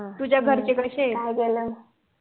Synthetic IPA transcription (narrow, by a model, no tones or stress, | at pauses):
t̪ud͡ʑjaɡʱəɾt͡ɕekəɕekaikelə